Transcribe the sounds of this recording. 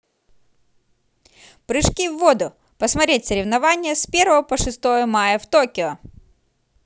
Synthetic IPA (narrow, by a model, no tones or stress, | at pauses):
pɾɨʂkʲivːod̪ʊ | pəsmɐt̪ɾʲet̚ʲsəɾʲɪvnɐvanʲɪjəspʲe̞ɾvəvəpəʂɨst̪o̞jəmajəft̪okʲɪɔ